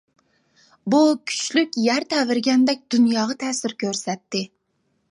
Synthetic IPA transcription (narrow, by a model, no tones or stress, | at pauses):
bukʲʰy̥t͡ʃlykʲjæɾt̪ʰɛvɪɾɡʲɛnd̪ɛk̚ʲd̪unjɑːʁɑt̪ʰɛːsɪɾkʲʰøɾsɛt̪ːɪ